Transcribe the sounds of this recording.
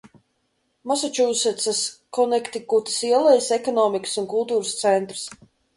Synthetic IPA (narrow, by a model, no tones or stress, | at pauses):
masat͡ʃuːsɛt̪saskɔnɛkt̪ʲikut̪i̥siɛlˠajsɛkɔnɔːmikə̥sunkulˠt̪uːɾɨst̪sɛnt̪ɾɨs